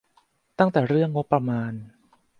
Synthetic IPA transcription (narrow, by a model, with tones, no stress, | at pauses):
t̪a˥˩ŋt̪ɛː˨˩ɾɯ˥˩əŋːo˦˥pːɾa˧maː˧n